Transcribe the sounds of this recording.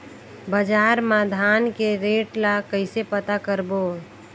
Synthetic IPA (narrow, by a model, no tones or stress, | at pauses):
bəd͡ʒaːɾmad̪ʱaːnkeɾeːʈlakəɪsepət̪akəɾbo